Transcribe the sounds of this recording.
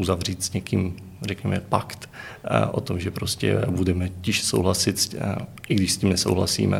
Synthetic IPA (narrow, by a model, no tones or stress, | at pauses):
uzavriːt̪sɲɛkiːm | rɛkɲɛmɛpakt̪ʔo̰t̪o̞mʒɛpɾoscɛ̰budɛmɛcɪʃsowɦlasɪt̪sʔɪɡdɪʃscʲiːmnɛso̰wɦla̰sḭːmɛ̰